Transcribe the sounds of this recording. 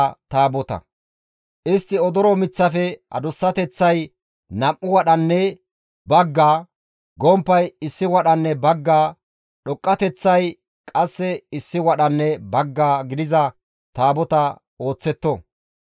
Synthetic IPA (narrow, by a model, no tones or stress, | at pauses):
t̪aːbɔt̪ɐ̰ | ʔɪst̪ːɪɔd̪ɔɾɔmɪt͡sːɐfɛɐ̰d̪ʊsːɐt̪ɛt͡sːɐj | nɐmʔːʊwɐɗɐnːɛ | bɐɡːaː | ɡɔmpːɐjɪsːɪwɐɗɐnːɛbɐɡːaː | ɗɔkʼːɐt̪ɛt͡sːɐj | kʼɐsːɛɪsːɪwɐɗɐnːɛbɐɡːaːɡɪd̪ɪzɐ | t̪aːbɔt̪ɐ | oːt͡sːɛt̪ːɔ